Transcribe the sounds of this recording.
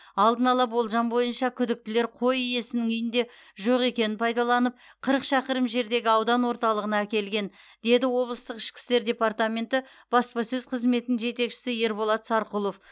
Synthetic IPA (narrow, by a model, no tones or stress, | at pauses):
ɑlˠd̪ənɑlˠɑbo̞lˠʒɑnbo̞jənʃɑkʲʰʏd̪ɪk̚t̪ɪle̞ɾqʰo̞jije̞sɪnɪŋʏjɪnd̪e̞ʒo̞ʁe̞kʲe̞nɪnpʰɑjd̪ɑlˠɑnəp̚ | qʰəɾəqʃɑqəɾəmʒe̞ɾd̪e̞ɡʲɪɑwd̪ɑnwo̞ɾt̪ɑlˠəʁənɑækʲe̞lɡʲe̞n | d̪̥e̞d̪ɪwo̞blˠəst̪əqɪ̥ʃkʲɪ̥st̪e̞ɾd̪ʲe̞part̪amʲe̞nt̪ɪ | b̥ɑspɑsɵzqʰəzme̞t̪ɪnɪŋʒe̞t̪e̞kʃɪ̥sɪje̞ɾbo̞lˠɑt̪sɑɾqulˠo̞f